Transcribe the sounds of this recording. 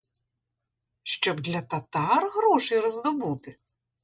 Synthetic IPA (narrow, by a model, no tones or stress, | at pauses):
ʂt͡ʃɔbd̪lʲɐt̪at̪arɣɾɔʂɨjɾɐzd̪ɔbut̪ɨ